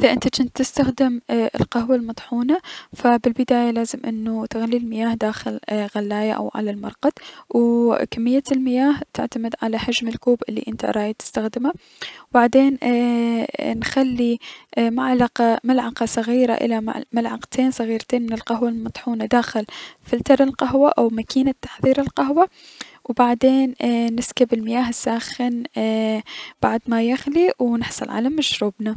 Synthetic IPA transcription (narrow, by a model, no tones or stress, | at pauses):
ʔʔɪðaʔɪnt̪at͡ʃɪnt̪ːɪst̪axd̪ɪmʔɪ̰lqɑɦwalmɑt̪ˤħuːnafabɪlbɪd̪aːjalaːzɪmʔɪnːut̪aɣalːilmɪjaːhd̪aːxɪlɣalːaːjaʔa̰wʕa̰lalmɑ̰ɾˤqɑt̪wkamːɪjːalmɪjaːht̪ɪ̰ʕt̪amɪd̪ʕalahad͡ʒmɪlkuːbʔɪlːḭʔɪnt̪a̰ɾˤɑːjt̪ɪ̥st̪axd̪ɪma | wbaʕd̪eːn | nxalːimaʕlɑqɑmalʕɑqɑsˤɑɣiːɾa̰ʔɪ̰la̰malʕɑqt̪ʰeːnsˤɑɣiːɾt̪eːnmɪnɪlqɑɦwalmɑt̪ˤħuːnad̪aːxɪlfɪlt̪ɑɾˤɪlqɑɦwaʔawmakiːnat̪ːḁħðˤiːɾɪlqɑɦwa | wbaʕd̪eːnːɪskabɪlmɪjaːɦɪsːaːxɪn | b̥aʕd̪majaxliwnɪħsˤɑlʕa̰lamaʃɾuːbna